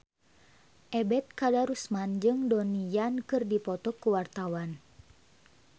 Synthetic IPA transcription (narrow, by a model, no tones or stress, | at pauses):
ʔɛbɛt̪̚kadaɾusmand͡ʒɨŋdɔnijankɨrdipɔt̪ɔkːuwart̪awan